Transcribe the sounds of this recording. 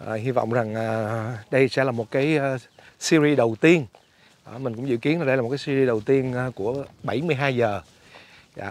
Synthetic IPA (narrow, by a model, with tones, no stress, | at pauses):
ʔəː˨˩ɦi˧vɔ̰˧˨wŋ͡mza˨˩ŋʔaː˨˩ɗə˧jsɛ̰˧˥laː˨˩mo˨˩t̚kaː˨˦jː | si˧ɾi˧ɗə˨˩wt̪i˧ən | ɗɔ˨˩˦mï˨˩ŋ̟kʊ̰˧˥ŋ͡mzɨ̰˧˨ki˨˦ənaː˨˩ɗə˧jlːtkaː˨˦si˧zi˧ɗə˨˩wt̪i˧ənː˨ku˧˩əɓa˧˩jmɨ˧jɦaː˧jzəː˨˩ | za̰ː˧˨